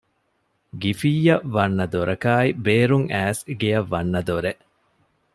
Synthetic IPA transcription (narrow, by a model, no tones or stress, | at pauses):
ɡifiːɐʋɐnːɐd̪oɾʔɐkaːibeːɾuŋæːsɡejɐʋːɐnːɐd̪oɾeʔ